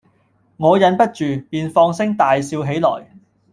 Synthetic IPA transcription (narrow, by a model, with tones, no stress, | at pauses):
ŋɔː˨˧jɐ˨˥npɐ˥t̚t͡ʃyː˨piː˨nfɔː˧ŋsɪ˥ŋt̪aː˨jsiː˧wɦe˨˥jlɔː˨˩j